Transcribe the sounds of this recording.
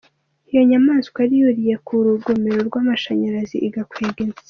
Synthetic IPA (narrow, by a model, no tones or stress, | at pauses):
ijo̞ɲamaːnzkwaɾijuɾije̞kuɾuɡomeɾoɾɡwaːmaʃaɲaɾaziʔiɡakweːɡez